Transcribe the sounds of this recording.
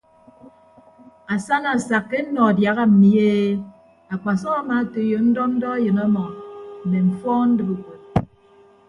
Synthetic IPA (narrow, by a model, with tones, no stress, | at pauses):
a˨sa˦na˨sa˨kːe˦n̩˦nɔ˨dja˨ɣa˦m̩˨mi˨˦e˦ | a˨k͡pa˨sɔ˦ɣa˦ma˨˦to˨˦jo˨n̩˦dɔ˦n̩˦dɔ˦a˦jɨ˨nɔ˦mɔ˨ne˨ɱ̩˨fɔː˦n̩˦dɨ˦bu˨kʷe˨t̚